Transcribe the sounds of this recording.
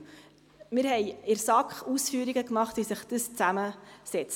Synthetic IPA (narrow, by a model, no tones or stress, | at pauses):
mɪɾɦɛjɪɾsɑkχusfyːɾiɡəkmɑχtʋisəχd̥əst͡sæməsɛt͡s